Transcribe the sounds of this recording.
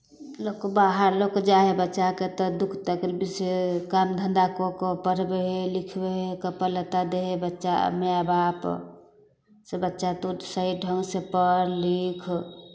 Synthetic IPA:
lokobaɦəɾlokd͡ʒaɦebətːʃaket̪ɔd̪ukʰt̪əklbisekamd̪ʱənd̪akokopəɾbeɦelikʰbeɦekəpələt̪ad̪eɦebətːʃa̰meabap | sebətːʃat̪usəɦiɖʱəŋɡsepəɾlikʰ

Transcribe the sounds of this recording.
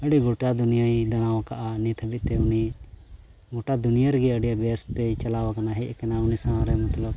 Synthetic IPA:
əɖiɡoʈad̪unijaid̪anawãkaʔanit̪ʰəbiʔ̪̚t̪ɛʊni | ɡɔʈad̪unijaɾɡɛəɽijabast̪ɛt͡ʃɐlawakanaɦɛʔkɛnaʊnisãɾɛmɐt̪ləb̚

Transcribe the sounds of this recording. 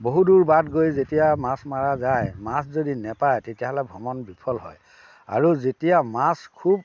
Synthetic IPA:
boɦuduɹbatɡojzetijamasmaɹazajmaszodinɛpajtetijaɦɔlɛbʱɔmɔnbipʰɔlɦɔ̰j | a̰ɹuzetijamaskʰub̚

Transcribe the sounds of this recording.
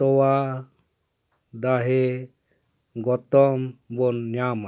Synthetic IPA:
tɔwa | d̪aɦɛ | ɡɔt̪ɔmbɔnːjama

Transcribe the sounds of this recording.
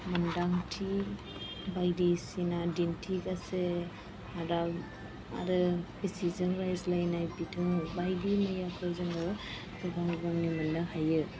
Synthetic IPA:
mandaŋtʰi | bajdisinadintʰikase | aɾa | a̰ɾɯbisizɯŋɾajzlajnajbitʰɯbajdimɯjapʰɯzɯŋɯ | kʰɔɡaŋɡamnimanːɯhajɯ

